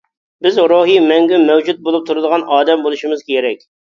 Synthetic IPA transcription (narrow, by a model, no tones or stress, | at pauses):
bɪzɾoɦimɛŋɡʲymɛwd͡ʒut̪̚bolˠup̚t̪ʰuɾɨd̪əʁɑnʔɑːd̪ɛmbolˠuʃimɨzkʲeɾɛkʲ